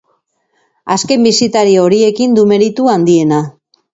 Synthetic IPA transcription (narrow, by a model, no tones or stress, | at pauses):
aske̞mbisit̪aɾio̞ɾie̞kind̪ume̞ɾit̪uand̪ie̞na